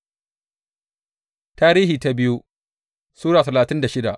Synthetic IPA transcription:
taː˦ɾiː˦hiː˨ta˦bɪ˦ju˦ | suː˦ɽaː˨tɐ˨laː˨tɪ˦nda˨ʃɪ˦da˨ʔ

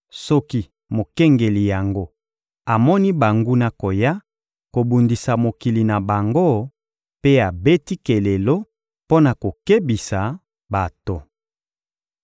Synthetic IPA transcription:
sɔ˦ki˦ | mo˨kɛ˦ŋɡe˨li˨ja˨ŋɡo˦ | a˨mɔ˦ni˦ba˨ŋɡu˦na˨ko˨ja˦ | ko˨bu˨ndi˨sa˨mo˨ki˨li˨na˨ba˨ŋɡo˦ | pe˦a˨be˦ti˦ke˨le˨lo˦ | po˦na˨ko˨ke˦bi˨sa˨ | ba˨to˨

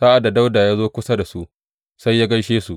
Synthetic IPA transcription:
saː˦ʔa˨da˨da˦wdaː˨jaː˦zoː˦kʷʊ˦sa˦da˨su˦ʔ | sa˦jːaː˦ɡɐ˦jʃeː˦su˨ʔ

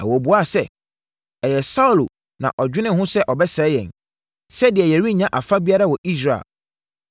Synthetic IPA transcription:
a̰˨wɔ˨bu˨˦a˦˨sɛ˦ | ɛ˨jɛ˨sa˦u˨lo˨ | nã̰˨ʔɔ˨d͡ʑᶣɪ˦nɪ̃˦ɦʊ̃˦sɛ˦ʔɔ˨bɛ˦sɛ˨˦jɛ̰̃˨n | sɛ˦dɪ˨ɛ˨jɛ˨ɾi˦˨ɲã˦ʔa˨fa˦bi˦a˦ɾa˦wɔ˨ʔi˦s̬ɾa˨ḛ˨l

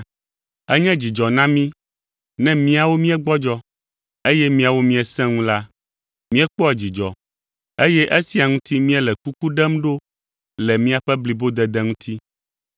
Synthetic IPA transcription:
ɛ˦ɲɛ̃˦d͡ʑi˨d͡ʒɔ˨nã˦mĩ˦ | nɛ̃˦mĩ˦a˨wo˦mĩ˦ɛ˦ɡ͡bɔ˦d͡ʒɔ˦ | e˦jɛ˦mĩ˦a˨wo˦mĩ˦ɛ˨sɛ̃˦ŋũ˦la˦ | mĩ˦ɛ˦k͡pɔ˦ɛ˨d͡ʑi˨d͡ʒɔ˨ | e˦jɛ˦ʔe˦si˦a˨ŋũ˦t̪i˦mĩ˦ɛ˦lɛ˨ku˦ku˦ɖɛ˦mɖo˦ | lɛ˨mĩ˦a˨ɸɛ˦bli˨bo˦d̪ɛ˨d̪ɛ˦ŋũ˦t̪ʰi˦

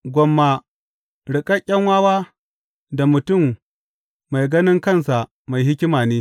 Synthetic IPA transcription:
ɡʷɔ˨mːa˨ | ɽɪ˨kʼɐ˦kʲʼːɐ˦ŋwaː˦waː˦ | da˨mʊ˨tʊ˦˨mː | a˨jɡɐ˦nɪ˦ŋkɐ˦˨nsa˨ | ma˨jɦɪ˦kʲɪ˦maː˨neː˦

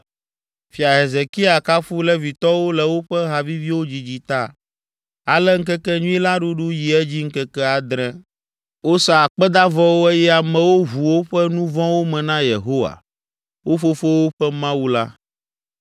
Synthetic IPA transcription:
fi˨a˨ɦe˨ze˨ki˦a˨ka˦fu˦lɛ˦vi˨t̪ɔ˦wo˦lɛ˨wo˦ɸɛ˦ɦa˨vi˦vi˦wo˦d͡ʑi˨d͡ʑi˦t̪a˦ | a˨lɛ˦ŋ̩˦kɛ˦kɛ˦ɲũ˦i˦la˦ɖu˦ɖu˦ji˨ɛ˦d͡ʑi˦ŋ̩˦kɛ˦kɛ˦a˨d̪ɾɛ̃˦ | wo˦sa˨k͡pɛ˦d̪a˦vɔ˦wo˦ɛ˦jɛ˦a˨mɛ̃˨wo˦ɦu˨wo˦ɸɛ˦nũ˦vɔ̃˦wo˦mɛ̃˨nã˦jḛ˨ɦo˦wa̰˨ | wo˦fo˦fo˦wo˦ɸɛ˦mã˦wu˦la̰˦

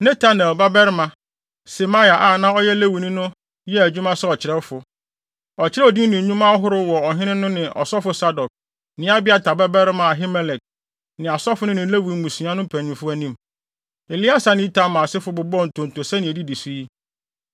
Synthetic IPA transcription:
nɛ˦tʰa˦nɛ˨lba˦bɛ˦ɾmã˨ | se˨ma˦˨a˨ʔa˦˨nã˦ɔ˦jɛ˦le˦wu˨nĩ˦nʊ̃˦ | jɛ˦æ˨d͡ʑᶣu˦mã˦sɛ˦ɔ˨t͡ɕʰɪ˨ɾɛ˦fʊ˨ | ɔ˨t͡ɕʰɪ˦ɾɛ˦ɔ˨di˦nɪ̃˨˦ɲũ˦mã˦ɔ˦ɦʊ˦ɾʊ˦wɔ˨ɔ˨ɦɪ̃˦nɪ̃˦nʊ̃˦nɪ̃˨ʔɔ̰˨sɔ˦fʊ˨˦sa˦dɔ˨k̚ | nɪ̃˨˦a˦bɪ˦a˦tʰa˨ba˦bɛ˦ɾɪ˦mã˨a˨ɦi˦mɛ˦lɛ˨t̚ | nɪ̃˨a˨sɔ˦fʊ˨˦nʊ̃˦nɪ̃˨˦le˦wi˨˦mũ˨sũ˨ã˦nʊ̃˦pʰæ̃˨n˨ʊ̃˨˦fʊ˦æ˦nĩ˦m | e˨li˦a˦sa˨nɪ̃˦tʰã˨mːã˨sɪ˦fʊ˨bʊ˨bɔ˦˨n̩˨tʰʊ̃˨n˨to˨sɛ˦nɪ̃˨e˨di˦di˨si˦i˦

